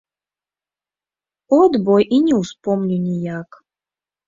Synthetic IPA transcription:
ɔd̪bɔjʔinʲɛwspɔmnʲunʲijak

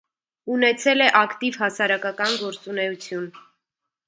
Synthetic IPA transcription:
unɛt͡sʰɛlɛʔɑkt̪iv̥ɦɑsɑɾɑkɑkɑnɡɔɾt͡sunɛut͡sʰjun

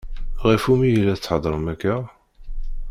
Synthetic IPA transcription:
ʁifumijlːæt͡sːħəd̪ˤɾˤəmækːæ

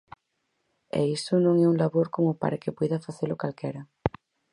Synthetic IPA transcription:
ɛ̰isʊnõŋɛuŋlaβoɾkomʊpa̰ɾakepojðɐfaθelʊkalkɛɾɐ

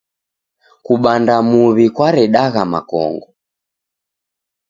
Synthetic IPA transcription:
kuɓandamuβikwaɾɛɗaɣama̰kɔ̰ŋɡɔ

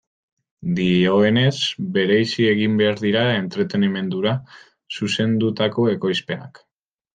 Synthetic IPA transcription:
d̪io̞e̞ne̞zbe̞ɾejsie̞ɣimbe̞aɾðiɾae̞nt̪ɾe̞t̪e̞nime̞nd̪uɾa | suse̞nd̪ut̪ako̞e̞ko̞jspe̞na̰k

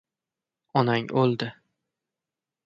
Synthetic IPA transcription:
ɒnaŋʔolˠd̪ɪ

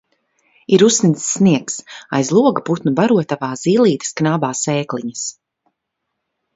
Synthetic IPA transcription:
iɾusnisːniɛksa̰jzlˠuɔɡaput̪nubaɾuɔt̪avaːz̥iːlˠiːt̪ɨ̥sknaːbaːsɛːkliɲas

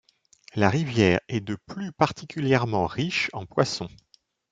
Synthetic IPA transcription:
laʁivjɛːʁɛd̪əplypaʁt̪ʰikʲʰyljɛʁmɑ̃ʁiʃɑ̃pwasɔ̃

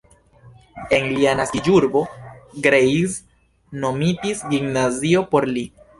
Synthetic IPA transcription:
e̞nlianasid͡ʒuɾbo̞ɡɾejz | no̞mitisɡimnaziopo̞ɾli

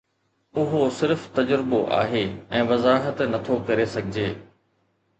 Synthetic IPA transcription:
ʊɦosɪɾft̪ɐd͡ʑɾɪboʔa̰ːɦeːɛ̃ːʋɐzaːɦət̪nɐt̪ʰokɐɾesɐɡʱɪd͡ʑeː

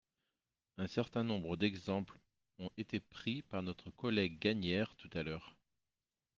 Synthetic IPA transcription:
ɛ̃sɛʁt̪ɛ̃nɔ̃bʁəd̪ɛɡzɑ̃pl | ɔ̃ʔet̪epχipaʁnɔt̪χəkɔlɛɡːaɲɛʁt̪ut̪alœːʁ

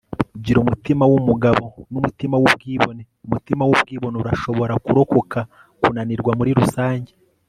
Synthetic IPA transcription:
ɟiɾumutimawumuɡaβo̞numutimawubɡiːβo̞neumutimawub̚ɡiːβo̞neuɾaʃo̞βo̞ɾakuɾoko̞kʰa | kunaniɾɡwamuɾiɾusaːɲɟe

